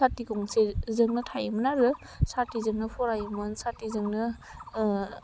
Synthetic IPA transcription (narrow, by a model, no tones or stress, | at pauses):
atikɔŋsezɯŋnɯtʰajɯmɯnaɾɯ | satizɯŋnɯpʰɔɾajɯmɯnsatizɯŋnɯ